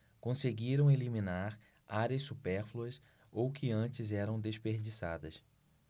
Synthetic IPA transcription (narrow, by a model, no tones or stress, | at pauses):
kõseɡiɾɐ̃w̃elimĩnaɾ | aɾɐssupɛɾfluɐs | owkʰɪɐ̃t͡ʃɪzɛɾɐ̃w̃d̪eʃpeɾd͡ʒisa̰d̪ɐs